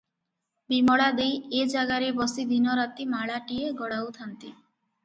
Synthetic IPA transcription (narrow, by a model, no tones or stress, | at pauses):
bimɔɽad̪ejed͡ʒaɡaɾebɔsid̪ʱinɔɾat̪imaɭaʈieɡɔɽawt̪ʰant̪i